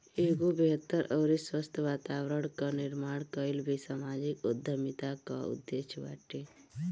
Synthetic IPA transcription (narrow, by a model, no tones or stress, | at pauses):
eːɡobeɦət̪ːəɾʔəːɾiswəst̪ʰəʋaːt̪awɾəɽ̃kanɪɾmaːɽkəɪlbʱisamaːd͡ʒikod̪ʱːəmit̪aka̰ṵd̪ːeʃʋa̰ːʈe